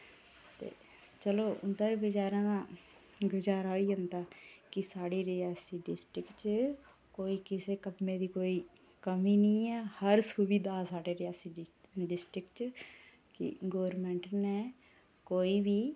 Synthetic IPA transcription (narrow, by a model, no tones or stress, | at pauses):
t̪ḛː | t͡ʃəloːʊ̰nd̪aːɾeːbəd͡ʒaːɾãːd̪ãː | ɡʊd͡ʒaːɾaoiːɦʊnd̪aːkɪsaːɽiːɾɪaːsiːɖɪsʈɾɪkt͡ʃ | koːiːkɪseːkəpmẽːd̪iːkoːiː | kəmiːnəĩːɛːhəɾsubiːd̪aːsaːɖeːɾɪjaːsiːɖɪsʈɾɪkt͡ʃ | kɪ̰ɡoːʋəɾmɛ̃ːɳʈnɛː | koːiːbiː